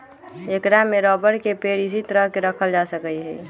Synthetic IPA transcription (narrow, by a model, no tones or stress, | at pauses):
eːkɾamːeɾɔːbəɾkepeːɽɪs̬it̪əɾəɦkeɾəkʰəld͡ʒasəkəiɦɛ̰